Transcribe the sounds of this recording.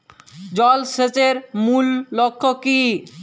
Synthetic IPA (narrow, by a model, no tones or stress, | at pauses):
d͡ʑɔlset͡ɕeɾmulːokʰːoki